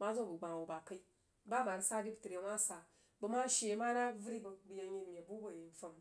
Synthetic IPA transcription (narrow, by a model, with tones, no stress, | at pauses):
ma˦zo˦˨bu˨ɡ͡ba˨wu˨ba˨ka˦i˦ | ba˦ba˨ɾsa˦di˦bti˨ɾe˨˦wa˦sa˨ | bu˨ma˦ʃe˨˦ma˦na˦vu˦ɾi˦bo˨bu˨ja˧ɲe˦tmʲ˨e˨bu˦bo˨ji˨n˨fa˨m